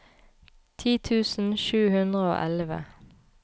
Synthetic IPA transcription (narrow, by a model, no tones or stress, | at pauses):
t̪ʰiːt̪ʰʉːsn̩ʃʉːhʉnd̪ʁəo̰ːʔɛlʋə̰